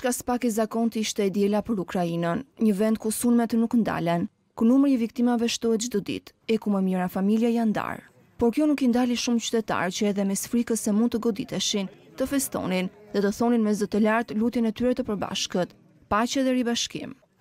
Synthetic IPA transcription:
t͡ʃkasə̥pakizakɔnt̪iʃt̪ɛɛd̪jɛlapəɾukɾainənɲəvɛnd̪̚kusunmɛt̪ənuknd̪a̰lɛn | kunumɾiivik̚t̪imavɛʃt̪ɔɛt̪d͡ʒd̪ɔd̪ḭt̪ | ɛkumɛmjəɾafamiljajand̪a̰ɾ | pɔɾkjɔnukind̪aliʃumt͡ɕy̥t̪ɛt̪a̰ɾt͡ɕəɛðɛmɛsfɾikəsɛmund̪t̪əɡɔd̪it̪ɛʃint̪əfɛst̪ɔ̰ninðɛt̪əθɔninmɛzət̪əlaɾt̪lut̪jɛnɛt̪yɾɛt̪əpəɾba̰ʃkət̪ | pat͡ɕɛðɛɾibaʃkḭm

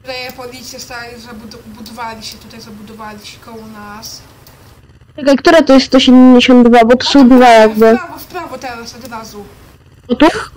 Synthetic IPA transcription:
ɾɛɛpɔlʲit̪sʲjɛst̪alʲizabud̪bud̪ɔvalʲiɕɛt̪ut̪ajzabud̪ɔvalʲiɕɛkɔwɔnas | ɛkaikt̪uɾat̪ɔjɛst̪t̪ːɔɕɛd̪ɛmd͡ʑeɕɔ̃nt̪d̪d̪vabɔt̪ɔsɔwd̪vajaɡbɘvɔspɾavɔt̪ɛɾasɔd̪ɾazu | ɔt̪u

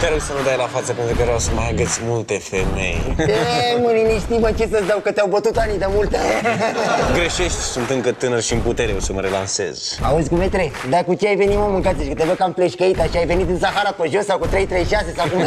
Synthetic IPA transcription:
t̪eaɾoɡsənud̪ajlafat̪səpent̪ɾukəɾeawsəmajaɡət̪sʲmult̪efemḛj̪emɨniniʃt̪imət͡ʃesəsd̪awkət̪eawbət̪ut̪anid̪amult̪e | ɡɾeʃeʃt̪ʲsunt̪ɨŋkət̪ɨnərʃiɨnput̪eɾeosəməɾelanse̞̰z̥a̰uzʲkumet̪ɾe | d̪akut͡ʃeajve̞nimomɨŋkat̪ʲiʃikət̪evəkamfleʃkəit̪aʃiajve̞nit̪ɨnsaɦaɾapəʒosawkut̪ɾe̞jt̪ɾejʃase̞sawkum

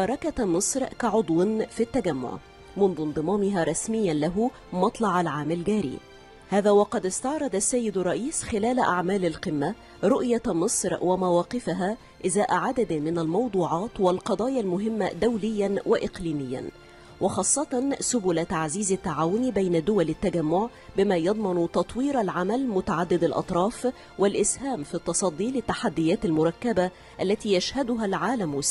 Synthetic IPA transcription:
ʃɑːɾˤɑkamɨsˤɾkaʕʊd̪ˤwɪnfit̪ːaɡamːʊ̰ʕ | mʊnðʊnd̪ˤɨmɑːmɪɦaːɾˤɑsmɪjːanlaɦʊ | mɑt̪ˤlɑʕalʕaːmalɡaːɾḭː | haːðaːwɑqɑd̪ɪst̪ɑʕɾˤɑd̪ˤasːajːɪd̪ʊrˤːɑʔiːsxɪlæːlaʔaʕmaːlalqɪmːa | ɾˤʊʔjamɨsˤɾwamawɑːqɪfɪɦaː | ʔɪzaːʔaʕad̪ad̪mɪnalmɑwd̪ˤuːʕɑːt̪walqɑd̪ˤɑːjalmʊɦɪmːad̪awlɪjːanwɪʔɪqliːmɪjːa̰n | wʔɪxɑːsˤːɑt̪ˤɑnsʊbʊlat̪aʕziːzat̪ːaʕaːwʊnbajnad̪ʊwalat̪ːaɡamːʊʕ | bɪmaːjɑd̪ˤmɑnt̪ɑt̪ˤwiːɾalʕamalmʊt̪aʕad̪ːɪd̪alʔɑ̰t̪ˤɾˤɑːf | wɪlʔɪshaːmfit̪ːɑsˤɑd̪ˤːiːlɪt̪ːaħad̪ːɪjaːt̪almʊɾˤɑkːaba | ʔalːæt̪iːjaʃhad̪ʊɦalʕaːlamwɪs

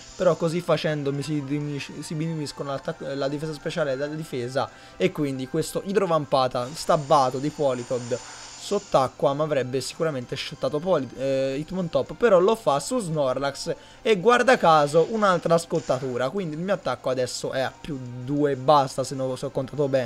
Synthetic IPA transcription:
peɾɔkːozifːat͡ʃɛnd̪omisiiisibinuiskonlat̪ːalad̪ifeːzaspet͡ʃaːled̪ad̪ifɛːza | ekːwind̪ikwest̪oʔid̪ɾovampaːt̪ast̪abːaːt̪od̪ipɔlit̪od̪sot̪ːakːwamavɾɛbːesi̥kuɾament̪eʃːet̪ːaːt̪opɔliit̪mont̪ɔpːpːeɾɔlofasuznɔrlaks | eɡːward̪akaːzoʔunalt̪ɾaskolt̪ːat̪uːɾakwind̪ilmioat̪ːakːoad̪ɛsːoʔɛapːjud̪uːebːast̪asenːosɔkːont̪aːt̪obɛːn

